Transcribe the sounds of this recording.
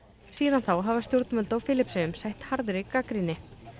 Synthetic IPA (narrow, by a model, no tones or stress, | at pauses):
siːðanθawɦavast̪jowɾt̪nmœlt̪awfɪːlɪpsɪʏmsajht̪haɾðʏɾɪkakɾinɪ